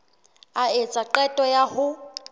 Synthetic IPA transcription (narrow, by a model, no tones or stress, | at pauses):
aet͡sʼaǃɛtʼɔjahʊ